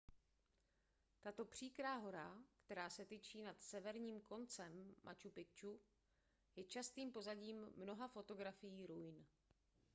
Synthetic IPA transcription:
t̪at̪o̞pr̝̥iːkɾaːɦo̞ɾakt̪ɛɾaːsɛt̪it͡ʃiːnat̪sɛvɛɾɲiːmko̞nt͡sɛmːʔa̰t͡ʃupɪt͡ʃu | jɛt͡ʃast̪iːmpo̞zaɟiːmːno̞ɦafo̞t̪o̞ɡɾafɪjiːɾujn

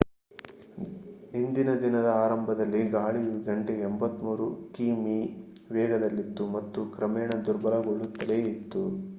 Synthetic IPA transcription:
ind̪inɐd̪inɐd̪ɐaːɾɐmbʱɐd̪ɐlːiɡaːɭiuɡɐɳʈeembɐt̪muːɾukiːmi | ʋɛːɡɐd̪ɐlːit̪ːumɐt̪ːukɾɐmɛːɳɐd̪uɾbɐlɐɡoɭːut̪ːɐleit̪ːu

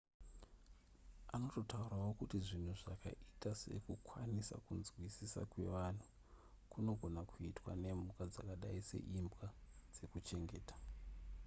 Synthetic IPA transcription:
ano̞to̞tauɾawo̞kutiʐin̤uʐaka̰ʔitase̞̰kukwanisa̰kunzwisisa̰kwe̞̰ʋan̤u | kuno̞ɡʱo̞nakuitwa̰ne̞mukad͡zakaɗaise̞̰ʔimbɣad͡z̥e̞kut͡ʃe̞ŋɡe̞ːtḁ

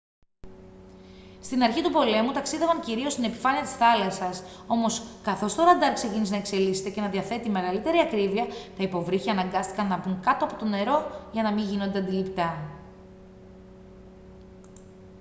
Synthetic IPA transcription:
st̪inɐɾçit̪upo̞le̞mut̪ɐksiðe̞vɐŋciɾio̞st̪ine̞pi̥fɐniɐt̪i̥sθɐlɐsɐso̞mo̞skɐθo̞st̪o̞ɾɐnd̪ɐɾkse̞ciniznɐe̞kse̞lise̥t̪e̞cenɐðiɐθe̞t̪ime̞ɣɐlit̪e̞ɾiɐkɾiviɐt̪ɐipo̞vɾiçiɐnɐŋɡɐst̪i̥kɐnːɐbuŋkɐt̪o̞ɐpo̞t̪o̞ne̞ɾo̞ʝɐnɐmiʝino̞nd̪eɐnd̪ilipt̪ɐ

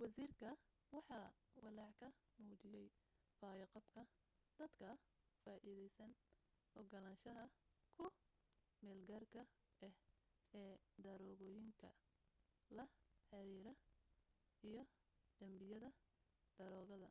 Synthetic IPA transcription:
wɑsiːrkʰɐ | wɑħɑːwɑlɑːʕkʰɐ | muːt͡ʃɪjɛj | faːjɐqɑbkʰɐ | d̪̥ɐd̪kʰɐfaːʔiːðɛjsɐn | ɔɡɐlaːnʃɐɦɐkʰʊ | mɛːlɡɐrkʰɐ | ʔɛhɛːd̪ɐɾɔːɣɔːjɪŋkʰɐ̰ | lɐħɑɾiːɾɐ | ijɞ | d̪̥ɐmbɪjɐðɐ | d̪̥ɐɾɔːɣɐðɐ

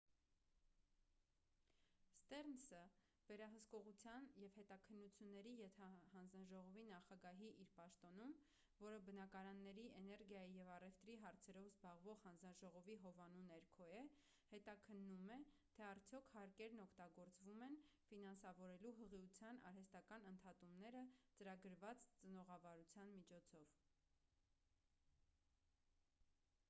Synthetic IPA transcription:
st̪ɛrnsə | vɛɾɑɦəskɔʁut͡sʰjɑnjɛvhɛt̪ɑkʰənːut͡sʰjunːɛɾijɛt̪ʰɑhɑnd͡znɑʒɔʁɔvinɑχɑɡɑɦiʔiɾpɑʃt̪ɔnum | vɔɾəbənɑkɑɾɑnːɛɾiɛnɛɾɡjɑjijɛvɑrɛft̪ɾiɦɑɾt͡sʰɛɾɔvzbɑʁvɔʁhɑnd͡znɑʒɔʁɔviɦɔvɑnunɛɾkʰɔjɛ | hɛt̪ɑkʰənːumɛt̪ʰɛɑɾt͡sʰjɔkʰhɑɾkɛɾnɔkʰt̪ɑɡɔɾt͡svumɛnfinɑnsɑvɔɾɛluɦəʁiut͡sʰjɑnɑ̰ɾɦɛst̪ɑkɑnənt̪ʰɑt̪umnɛɾət͡səɾɑɡəɾvɑt͡st͡sənɔʁɑvɑɾut͡sʰjɑnmit͡ʃʰɔt͡sʰɔv̥

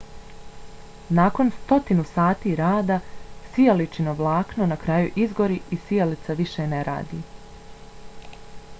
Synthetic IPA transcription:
nako̞nst̪o̞t̪inusaːt̪iːɾaːd̪asijalit͡ʃinoʋlˠaːknonakɾaːjuʔizɡo̞ɾiʔisijelit̪saʋiʃeneɾa̰ːd̪ḭː

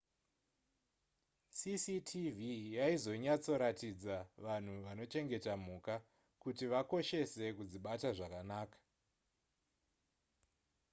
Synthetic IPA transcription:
sisitʰivijaizo̞ɲat͡so̞ɾatid͡zaʋan̤uʋano̞t͡ʃe̞ŋɡe̞tam̤uːka | kutiʋako̞ʃe̞se̞kud͡ziɓataʐakanaːkḁ

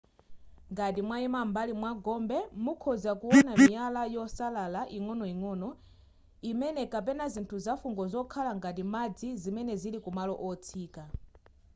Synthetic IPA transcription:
ŋɡat̬imwaimambalimwaɡɔmbɛmukʰɔzakuwɔnamijalajɔsalalaʔiŋɔnɔiŋɔːnɔ | imɛnɛkap̬ɛnazintʰuzafuŋɡɔzɔkʰalaŋɡat̬imad͡zizimɛnɛzilikumalɔʔɔt͡sʰiːka

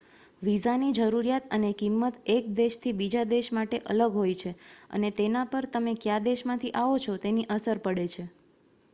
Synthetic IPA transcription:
ʋizanid͡ʒəɾuɾijat̪ənekimːət̪ek̚d̪eʃt̪ʰibid͡ʒad̪eʃmaʈeʔə̰ləɡɦojt͡ʃʰeə̰net̪enapəɾt̪əmekjad̪eʃmãt̪ʰiʔaʋot͡ʃʰot̪eniʔəsəɾpəɽet͡ʃʰe

